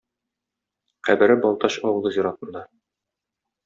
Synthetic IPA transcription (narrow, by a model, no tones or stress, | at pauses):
qæbɘ̆ɾɘbɒlˠt̪ɑɕɒwɤ̆lˠɤziɾɑt̪ɤ̆nd̪ɑ